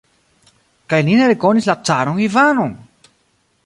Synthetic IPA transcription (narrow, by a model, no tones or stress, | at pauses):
kajlineɾekonislat͡saɾoŋivanon